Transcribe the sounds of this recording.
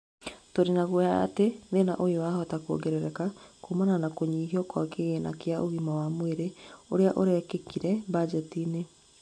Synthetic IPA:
toɾenaɣwjaa̰tenðena̰ʔojoahɔtakuo̰ɡɛɾɛɾɛkakomananakoɲiːhiɔkwa̰keɣena̰keaʔoɣimawamweɾeoɾeaʔoɾɛkekiɾɛbad͡ʒɛtine

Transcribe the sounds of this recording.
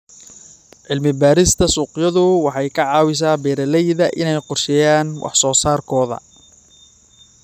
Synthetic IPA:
ʕɪlmɪbaːɾɪst̪ʰɐsuːqjɐðʊwɑħɑjkʰɐʕɑːwɪs̬aːbɛːɾɐlɛjðɐʔɪnɛjqʊrʃɛjaːnwʔɑ̰ħsɔːsaːrkʰɔːðɐ̰

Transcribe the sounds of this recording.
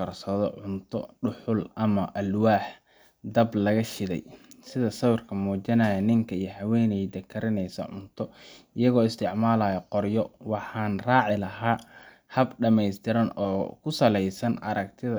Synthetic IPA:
ɐrsɐðɔ̰ʕʊnt̪ʰɔ̰ɖʊħʊlɐmɐʔɐlwaːħ | d̪ɐblɐɣɐʃɪðɛ̰jsɪðɐsɐwrkʰɐmuɔːt͡ʃɐnaːjɐnɪŋkʰɐijɔɦɐwɛːnɛjd̪ɐkʰːɐɾɪnɛjsɐ̰ʕʊ̰nt̪ʰɔɪjɐɣɔːɪst̪ʰɪʕmaːlaːjɐqɔrjɔwɑħɑːnraːʕɪlɐɦaː | hɐbɖɐmɛjst̪ʰɪɾɐnɔːkʰʊsɐlɛjsɐnɐɾɐk̚t̪ʰɪðɐ

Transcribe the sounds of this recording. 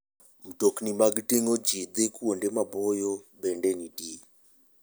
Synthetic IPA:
m̩toknimaɡteŋod͡ʒid̪ekwondemabɔjɔbɛndɛnidi

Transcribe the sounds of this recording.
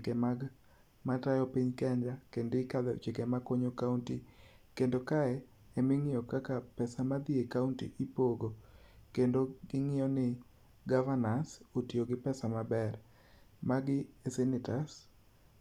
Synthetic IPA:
kɛmaɡ | matajɔpiɲkɛɲd͡ʒakendɪkad̪ɛ̰t͡ʃekemakoɲokawntikendokaɛ | emɪŋɪjɔkakapɛsamad̪iekauntḭʔipoɡokendoɡɪŋɪjɔnɪ | ɡavanansotioɡɪpɛsamabɛr | maɡɪesɛnɪtas

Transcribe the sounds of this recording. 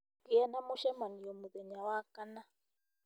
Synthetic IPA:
kiɛnamuʃɛmanijɔmuðɛɲawakana

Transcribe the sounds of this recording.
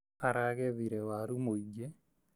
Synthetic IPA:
aɾaɡɛðiɾɛwaɾumoid͡ʒe

